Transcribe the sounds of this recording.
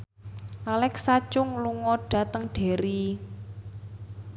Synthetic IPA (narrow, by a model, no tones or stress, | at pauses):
ʔalɛksat͡ʃʊŋluŋɔɖ̥ä̤t̪əŋɖ̥e̤ɾi